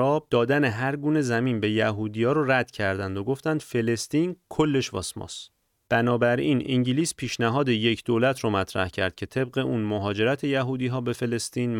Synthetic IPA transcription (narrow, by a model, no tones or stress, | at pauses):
ɒːb̚d̪ɒːd̪æne̞ɦæɾɡuːne̞zæmiːnbe̞jæɦuːd̪ijɒːɾoræd̪̥cʰæɾd̪ænd̪oɡo̞ft̪ænd̪̥fe̞le̞st̪iːnkʰo̞lːe̞ʃvɒ̰ːsmɒ̰s | b̥ænɒːbæɾiːnʔiŋɟiliːspʰiːʃnæɦɒːd̪e̞je̞cʰd̪olæt̪ʰɾɔːmæt̪ʰɾæ̰hcʰæ̰ɾd̪̥̚cʰe̞t̪ʰe̞b̚ɢe̞ʔuːnmoɦɒːd͡ʒe̞ɾæt̪ʰe̞jæɦuːd̪iːɦɒːbe̞fe̞le̞st̪iːnm